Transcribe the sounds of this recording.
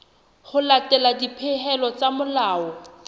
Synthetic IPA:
χʊlatɛladipʰɪɦɛlɔt͡samʊlaːɔ

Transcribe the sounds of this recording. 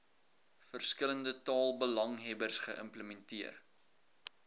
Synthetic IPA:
fərskələndətɑːlˠbəlɐŋɦɛbərsχəʔə̰mpləmɛntiər

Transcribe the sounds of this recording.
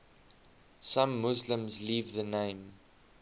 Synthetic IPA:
sãmːʊslə̃mzliːvðənẽɪ̃m

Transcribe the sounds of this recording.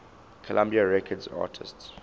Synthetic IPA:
kʰɔlʔãmbiaɹɛkʰədza̰ːtʰɪ̰sts

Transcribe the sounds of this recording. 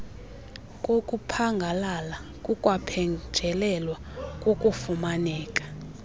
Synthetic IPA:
kʼokʼupʰaŋɡʱalalakʼukʼwapʰɛŋd͡ʒʱɛlɛlwakʼokʼufumanɛːkʼḁ

